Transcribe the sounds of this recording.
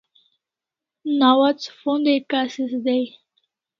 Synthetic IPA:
nawat͡sfõnd̪ekasisd̪ej

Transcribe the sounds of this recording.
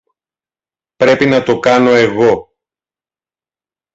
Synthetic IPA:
pɾe̞pinɐt̪o̞kɐno̞e̞ɣo̞

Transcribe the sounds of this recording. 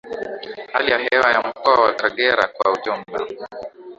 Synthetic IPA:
ha̰lijaɦɛwajam̩kɔwawakaɠɛɾa̰kwauʄɔm̩la̰

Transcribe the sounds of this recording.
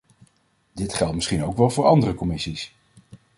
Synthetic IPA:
dɪtχɛlˠtmɪsχinowkʋɛlˠvʊːɹʔɑndərəkɔmɪsis

